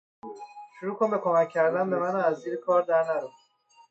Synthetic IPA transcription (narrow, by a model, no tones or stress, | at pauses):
ʃuɾuːkʰo̞nbe̞kʰo̞mæcʲʰːæɾd̪ænbe̞mænæmæzd̪iːɾekʰɒːɾd̪æɾnæɾu